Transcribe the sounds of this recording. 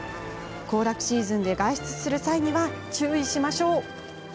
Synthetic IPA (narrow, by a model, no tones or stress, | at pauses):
ko̞ːɾakɯ̟̥ɕiːzɨ̃nd̪e̞ɡaiɕi̥t͡sɨ̥sɨɾɯ̟saiɲ̟iβat͡ɕɨːiɕimaɕo̞ː